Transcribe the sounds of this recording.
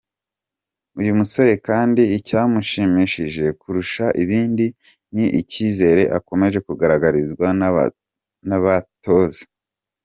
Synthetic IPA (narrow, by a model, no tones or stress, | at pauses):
ujumuso̞ɾe̞kaːndiːcaːmuʃimiʃiʒe̞kuɾuʃaʔiβiːndi | niʔiciːze̞ɾe̞ʔa̰ko̞me̞ʒe̞kuɡaɾaɡaɾizɡwa̰ | naβato̞ze̥